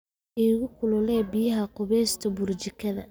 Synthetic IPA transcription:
iːɣʊkʰʊlʊlɛːbijɐɦɐqʊβɛːst̪ʰɐbʊrt͡ʃɪkʰɐðɐ̰

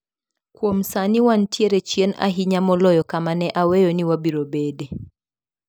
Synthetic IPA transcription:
kwomsaniwantjeɾɛt͡ʃjena̰ɦiɲamɔlɔjɔkamanɛʔawejɔniwabiɾobede

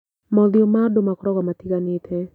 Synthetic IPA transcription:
mɔðjomadomakɾɔɡamatiɡanɪtʰɛ

